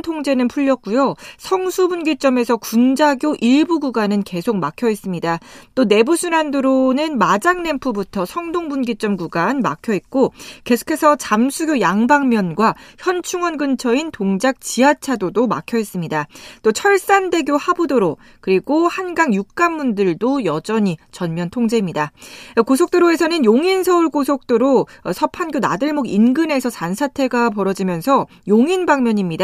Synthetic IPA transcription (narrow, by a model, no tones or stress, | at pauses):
tʰoŋd͡ʑe̞nɯnpʰuʎːʌk̚k͈ujosʰʌŋsʰubunɡit͡ɕ͈ʌme̞sʰʌkund͡ʑaɡjoʔiɭbuɡuɡanɯnke̞sʰok̚makʰjʌis͈ɯmɲidat͈one̞busʰunandoɾonɯnmad͡ʑaŋne̞mpʰubutʰʌsʰʌŋdoŋbunɡit͡ɕ͈ʌmɡuɡanma̰kʰjʌit̚k͈oke̞sʰo̥kʰe̞sʰʌt͡ɕamsʰuɡjojaŋbaŋmjʌnɡwaçjʌnt͡ɕʰuŋʌnɡɯnt͡ɕʰʌintoŋd͡ʑak̚t͡ɕiɦat͡ɕʰadodoma̰kʰjʌis͈ɯmɲidat͈ot͡ɕʰʌɭs͈ande̞ɡjohabudoɾo | kɯɾiɡohanɡaŋjuk̚k͈anmundɯɭdojʌd͡ʑʌɲit͡ɕʌnmjʌntʰoŋd͡ʑe̞imɲidakosʰok̚t͈ɯɾoe̞sʰʌnɯnjoŋinsʰʌuɭkosʰok̚t͈oɾosʰʌpʰanɡjona̰dɯɭmoɡinɡɯne̞sʰʌsansʰatʰe̞ɡap̬ʌɾʌd͡ʑimjʌnsʰʌ | joŋinbaŋmʲjʌɲimɲida